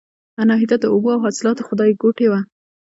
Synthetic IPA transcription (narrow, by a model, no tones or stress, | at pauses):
anɑɦid̪ad̪əʊboawɦɑsɪlɑt̪oxʊd̪ɑjɡoʈewa